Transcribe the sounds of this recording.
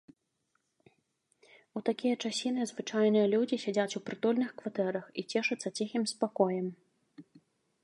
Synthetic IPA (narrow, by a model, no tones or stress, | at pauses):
ut̪akʲijɐt͡ʂasʲinɨzvɨt͡ʂajnɨjɐlʲud͡zʲisʲad͡zʲat͡sʲupɾɨt̪ɔlʲnɨxkvat̪ɛɾɐxit͡sʲɛʂɐt̪sːɐt͡sʲixʲimspakɔjɛm